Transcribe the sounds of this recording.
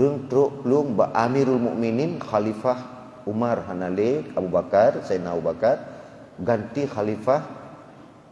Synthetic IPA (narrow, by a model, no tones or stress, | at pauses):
ɾuŋt̪ɾoʔpluŋba̰ʔamiɾʊlmṵʔmininxalifah | umarɦanalekabubakarsajnabubakar | ɡant̪ixalifah